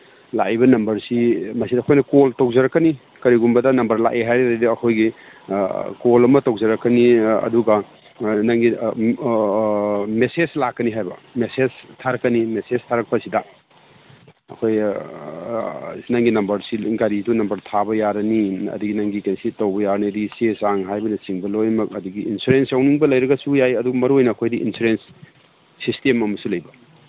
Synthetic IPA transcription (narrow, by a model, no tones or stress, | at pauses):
la̰jbɐnɐmbɐɾsimɐsidɐkʰojnɐkoltowzɐɾɐkːɐni | kɐɾiɡumbɐdɐnɐmbɐɾla̰ʔeɦajɾedidɐɐkʰojɡi | kolɐmɐtowzɐɾɐkːɐniɐ̰duɡɐ | nɐŋɡi | mesezlakːɐniɦajbɐmeseztʰaɾɐkːɐnimeseztʰaɾɐk̚pɐsidɐ | ɐ̰kʰoj | nɐŋɡinɐmbɐɾsiɡaɾidunɐmbɐɾtʰabɐjaɾɐniɐ̰duɡinɐŋɡikansitɐwbɐjaɾɐnidisesaŋɦajbɐnɐsiŋbɐlojmɐkɐduɡiinsuɾensawniŋbɐlɐjɾɐɡɐsujajɐduɡɐmɐɾuojnɐːkʰojdiʔḭnsuɾensː | istemɐmɐsulɐjbɐ